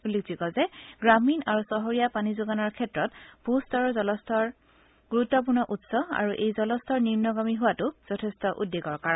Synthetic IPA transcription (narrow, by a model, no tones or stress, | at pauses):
ulekzikɔzɛɡɹaminaɹusɔɦɔɹijapanizʊɡanɔɹkʰɛtɹɔtb̥ʱustɔɹɔzɔlɔstʰɔɹ | ɡ̥uɹutːɔp̬uɹnɔʔutsɔa̰ɹuʔejzɔlɔstʰɔɹniɹnɔɡamiɦʊwatʊz̥ɔtʰɛstɔʔudːeɡɔɹkaɹɔn